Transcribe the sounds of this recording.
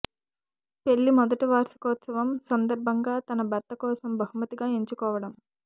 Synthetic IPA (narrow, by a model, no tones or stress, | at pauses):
pe̞ɭːimɔd̪ɐʈiʋaːɾsɐ̥kɔːt̪sɐʋɐmsɐnd̪ɐɾbʱɐŋɡaːt̪ɐnɐbʱɐɾt̪ɐkɔːsɐmbʱɐɦumɐt̪iɡaːeɲt͡ʃukɔːʋɐɽɐm